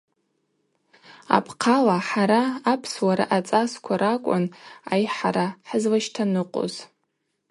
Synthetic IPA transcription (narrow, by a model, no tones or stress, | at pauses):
a̰pʰqʰalaħaɾaːpʰswaɾa̰ʔat͡sʼaskʷʰaɾakʷʼʊna̰jħaɾaħəzlaʃtʰanɨqʷʼo̰z